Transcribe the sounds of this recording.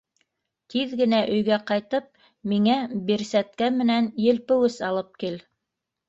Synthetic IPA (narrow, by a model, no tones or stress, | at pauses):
t̪iðɡɘ̆næʔɵ̆jɡæqɑjt̪ɤp̚ | miŋæbiɾsæt̪̚kæmɘ̆nænjɘ̆lpɘ̆wɘsɑlˠɤp̚kil